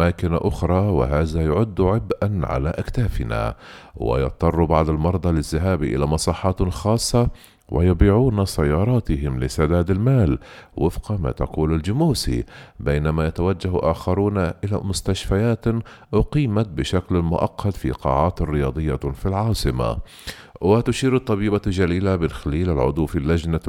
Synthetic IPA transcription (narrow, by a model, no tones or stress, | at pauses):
maːkɪnaʔʊxɾˤɑːwɪ̰ɦaːðajʊʕʊd̪ːʕɪbʔanʕa̰laʔakt̪aːfɪna̰wɪ̰jɑ̰t̪ˤːɑrˤːubaʕd̪almɑɾˤd̪ˤɑlɪzːɪɦaːbʔɪ̰lamɑsˤɑːħɑːt̪xɑːsˤːɑ | wʔɪ̰jɑbiːʕuːnasajːɑːɾˤɑːt̪ɪɦɪmlɪsad̪aːd̪almaːlwɪfqɑma̰ːt̪ɑquːlald͡ʒʊmuːsḭbejnamajat̪awad͡ʒːahʔaːxɑɾˤuːnaʔɪla̰mʊst̪aʃfajaːt̪ʔʊqiːmat̪̚bɪʃaklmʊʔɑ̰qʰːɑt̪fḭqɑ̰ːʕɑːt̪rɪjɑːd̪ˤɨjːafilʕɑːsˤɨma̰ | wɪt̪ʊʃiːɾɑt̪ˤːɑbiːbad͡ʒaliːlamɪnxaliːlɪlʕʊ̰d̪ˤuwfilːad͡ʒna